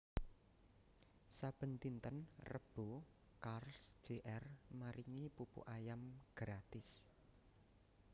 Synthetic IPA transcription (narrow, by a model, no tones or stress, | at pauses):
sab̥ə̤nt̪int̪ənrəb̥o | karlsd͡ʒ̥eʔɛrmaɾiŋipupṵʔajamɡ̥ɾat̪ɪs